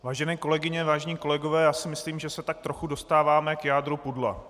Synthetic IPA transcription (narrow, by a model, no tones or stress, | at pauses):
vaːʒɛnɛːko̞lɛɡɪɲɛvaːʒɛɲiːko̞lɛɡovɛːjaːsɪmɪsliːmʒɛsɛt̪ak̚t̪ɾoxudo̞st̪aːvaːmɛkjaːd̪ɾupudla̰